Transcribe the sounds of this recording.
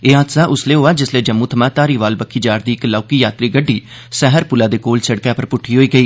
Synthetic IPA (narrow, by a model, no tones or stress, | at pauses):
eːɦad̪saːʔʊsleːɦoːaːd͡ʒɪsleːd͡ʒəmːuːt̪ʰəmãːt̪aːɾiːʋaːlbəkʰːiːd͡ʒaːɾd̪iːɪklaːkiːjaːt̪ɾiːɡəɖːiː | sɛɦəɾpʊlaːd̪eːkoːlsəɽkjaːpəɾpʊʈʰːiːɦoːiːɡəiː